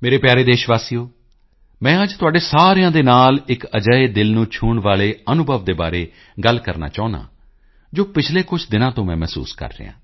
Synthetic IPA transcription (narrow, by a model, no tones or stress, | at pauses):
meːɾeːpjaːɾeːd̪eːʃʋaːsijoː | mɛ̃ːəd͡ʒt̪ʊaːɖeːsaːɾjãːd̪eːnaːlɪkəd͡ʒaeːd̪ɪlnũːt͡ʃʰuːɳʋaːleːənʊbʱəʋd̪eːba̰ːɾeː | ɡəlkəɾna̰ːt͡ʃaːʊna̰ː | d͡ʒoːpɪt͡ʃʰleːkʊt͡ʃʰd̪ɪnãːt̪õːmɛ̃ːmɛːsṵːskə̰ɾːḛːã̰ː